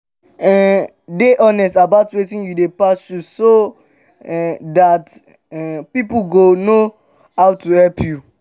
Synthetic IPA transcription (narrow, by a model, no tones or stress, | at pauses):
ɛ | deʔɔnɛstabaʊtwetĩnjudepast͡ʃuso | ɛdat | ɛpipuɡono | haʊtuhɛlpʰju